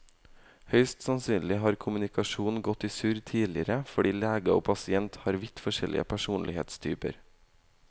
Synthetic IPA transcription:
hœʏst̪sɑnsyːnlɪːɦɑːɾkʰʊmʉnɪkɑʃuːnɡɔt̪iːsʉːɾt̪ʰiːlɪəɾəfɔɖiːlæːɡəo̰ːpʰɑsɪɛnt̪hɑːɾʋɪt̪fɔʃɛlʔɪ̰ə̰pʰæʃuːnlɪhḛːt̪st̪ʰyːpə̰ɾ

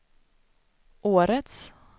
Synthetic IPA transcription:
ʔoːɾət̪s

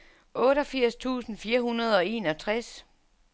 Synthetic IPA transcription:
ʔɔ̽ːɾɒ̽fiɐ̰st͡sʰṵːsn̩fiːɐhunɐð̞ˠɒ̽e̝ːnɒ̽t͡sʰʁas

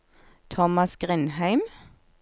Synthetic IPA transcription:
t̪ʰɔmɑsɡ̥ʁɪnhæɪm

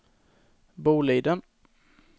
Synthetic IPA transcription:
buːliːd̪ən

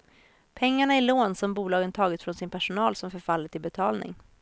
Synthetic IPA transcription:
pʰɛŋːaɳaɪloːnsɔmbuːlɑːɡənt̪ʰɑːɡɪt̪fɾɔnsɪnpʰæʂʊnɑːlsɔmfœɾfalːət̪ʰɪlbɛt̪ʰɑːlnɪ̰ŋ

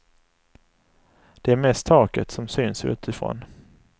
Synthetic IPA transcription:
d̪̥ɛæɾmɛst̪ʰːɑːkət̪sɔmsyːnsʉ̟̰ːt̪ɪfɾɔ̰n

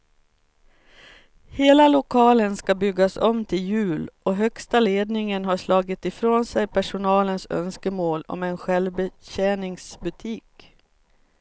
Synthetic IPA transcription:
heːlalʊkʰɑːlənskabʏɡːasɔmt̪ʰɪljʉ̟ːlʔɔɦœkst̪aleːd̪nɪŋənɦaʂlɑːɡɪt̪ɪfɾoːnsɛjpʰæʂʊnɑːlənsœ̰nskəmoːlɔ̰mɛnɧɛlvbəɕɛːnɪŋsbɵt̪ʰiːk

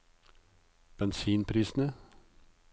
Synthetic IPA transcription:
b̥ɛnsiːnpʰɾiːsn̩ə

